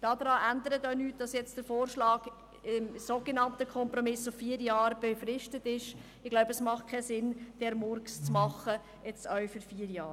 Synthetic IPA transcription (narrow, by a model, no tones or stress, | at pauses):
d̥ɑːd̪ɾɑːʔændəɾətɔʊnyːt̚d̥ɑsjɛt͡sd̥əɾfoːɾʃlɑːɡ̥ | ɪmsoɡ̥enɑntəkʰχɔmprɔmɪsʊffiːəɾjɑːɾb̥efrɪʃtətɪʃ | ɪɡ̥laʊbəəsmɑχt̚kʰɛsɪnd̥ɛɾmɔɾkst͡smɑχə | ɛt͡stœfyɾfiːɾjɑː